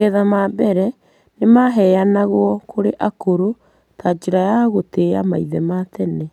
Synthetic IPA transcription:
ɛðamabɛɾɛ | nemaɦɛjanaɣwɔkʰoɾeʔakoɾo | tʰaːd͡ʒeɾajaɣoteama̰iðɛmatɛne

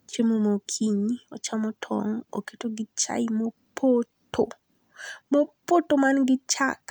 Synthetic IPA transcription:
t͡ʃemomokʰiɲɔt͡ʃamɔtʰɔ̰ŋo̰ketoɡɪt͡ʃa̰ɪmo | pʰoto | mopotomanɡɪt͡ʃa̰k

